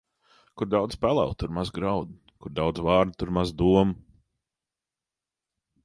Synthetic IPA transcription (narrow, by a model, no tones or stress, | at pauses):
kuɾd̪awd̪z̥pælˠɛ̰lˠt̪uɾmazɡɾawd̪ | kuɾd̪awd̪zvɑːɾd̪̚t̪uɾmazd̪uɔm